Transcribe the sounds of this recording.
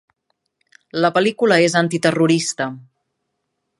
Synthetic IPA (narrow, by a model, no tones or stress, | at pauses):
ləpəlikuləezant̪it̪əruɾist̪ə